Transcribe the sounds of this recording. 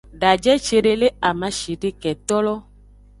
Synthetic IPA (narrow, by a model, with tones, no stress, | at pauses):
ɖa˨d͡ʒɛ˦t͡ʃe˨ɖe˦le˦a˨mã˨˦ʃi˨ɖe˦kɛ˨t̪ɔ˦lɔ˦